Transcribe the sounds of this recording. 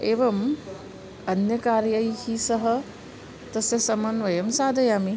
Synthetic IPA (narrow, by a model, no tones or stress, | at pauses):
eːʋɐm | ɐnjɐkaːɾjɐjhisɐɦɐ | t̪ɐsɐsɐmɐnʋɐjɐmsaːd̪ʱɐjaːmi